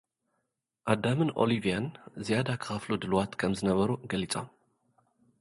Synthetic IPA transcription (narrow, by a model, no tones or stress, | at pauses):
ʔad̪amɨnʔo̞̰livijanzijad̪akʰɨ̥xɐflud̪ɨlwat̪kʰɐmzɨnɐβɐɾuɡɐlit͡sʼo̞̰m